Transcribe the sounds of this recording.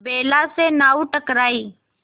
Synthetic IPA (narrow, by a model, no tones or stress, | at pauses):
beːlaːseːnaːuːʈəkɾaːiː